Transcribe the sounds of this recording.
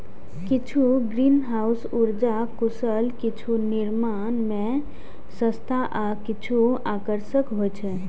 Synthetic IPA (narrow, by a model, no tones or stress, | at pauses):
kit͡ʃʰuɡɾinɦausuɾd͡ʒakusəlkit͡ʃʰuniɾma | nmẽ | sə̃st̪ʰaʔakit͡ʃʰuakəɾsəkɦojt͡ʃʰɛ